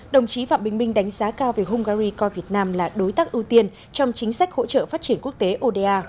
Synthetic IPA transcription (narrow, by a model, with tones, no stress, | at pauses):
ɗə˨˩wŋ͡mt͡ɕi˨˦fa̰ː˧˨mɓï˨˩ŋ̟mï˧ŋ̟ɗa˨˦jŋ̟zaː˨˦kaː˧wve˨˩ɦʊ˧ŋ͡mɣaː˧ɾi˧kɔ˧jvi˨˩ət̚naː˧mlaː˨˩ɗo˨˦jt̪aː˦˥k̚ʔɨ˧wt̪i˧ən | t͡ɕɔ˧wŋ͡mt͡ɕï˨˦ŋ̟sa˦˥k̟̚ho̰˧˥t͡ɕə̰ː˧˨faː˦˥t̚t͡ɕi˧˩ənku˦˥ək̚t̪e˨˦ʔo˧ɗe˧ʔaː˧